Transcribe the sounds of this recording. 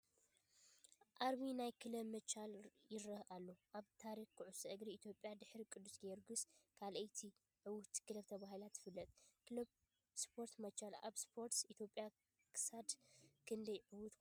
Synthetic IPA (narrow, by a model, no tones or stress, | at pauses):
ʔaɾβinajkʰɨlɐβmɐt͡ʃːaljɪɾɐhalːoʔaβt̪ʰaɾixkʰɨʕusɐʔɨɡɾiit̪ʰjo̞pʼːjad̪ɨħɾikʼɨd̪ːusɡeɾɡɨskʰalʔɐjt̪ʰi | ʕɨwʊht̪ʰkʰɨlɐβt̪ʰɐβahɨlat̪jɪfɨlːɐt̪ʼkl | spʰo̞ɾt̪mɐt͡ʃːala̰βspʰo̞ɾt̪it̪ʰjopʼja | kʰɨ̥sad̪kʰɨnd̪ɐjʕɨwʊt̪k